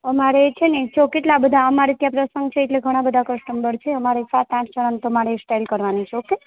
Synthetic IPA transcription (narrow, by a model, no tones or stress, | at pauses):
əmaɾet͡ʃʰenet͡ʃʰokeʈlabəd̪ʱaəmaɾit̪japɾəsəŋɡt͡ʃʰeeʈleɡʱəɽ̃abəd̪ʱakəsʈəmbəɾt͡ʃʰeəmaɾesat̪ãt͡ʃt͡ʃəɽ̃ant̪əmaɽesʈajlkəɾʋanit͡ʃʰeoke